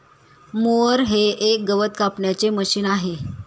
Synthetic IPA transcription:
moəɾɦeʔek̚ɡəʋət̪̚kapɳjat͡seməɕiːnaɦe

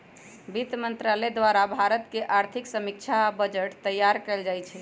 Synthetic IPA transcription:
bit̪mənt̪ɾalɛd̪waɾabʱaɾət̪keʔaɾt̪ʰiksəmik̚t͡ʃʰabəd͡ʒəʈt̪əjːaɾkɛld͡ʒajt͡ʃʰɛ

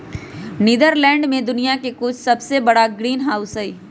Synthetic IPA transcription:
niːd̪əɾlɛ̃ːɳɖmẽd̪ʊnijakekʊt͡ʃʰsɐbsebɐɽaɡɾiːnɦaːʊsɐiː

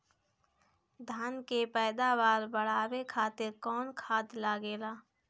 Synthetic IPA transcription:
d̪ʱaːnkepɛːd̪aːʋaːɾbəɽ̤aːwekʰaːt̪ɪɾkɔːnkʰaːt̪laːɡeːlaː

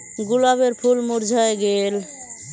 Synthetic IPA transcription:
ɡʊlaːbeɾpʰulmʊɾd͡ʒʱaeɡeːl

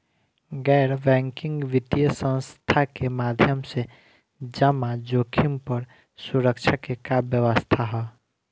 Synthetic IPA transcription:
ɡɛɾbɛ̃ŋkiŋɡʋit̪ijəsə̃nst̪ʰakemad̪ʱjəmse | d͡ʒəmad͡ʒokʰimpəɾ | suɾəkt͡ʃʰakekabjəʋəst̪ʰaɦɔ

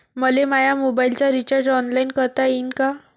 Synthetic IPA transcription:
məlemajamobailt͡ɕaɾit͡ɕəɾɖɔnlainkəɾt̪ainka

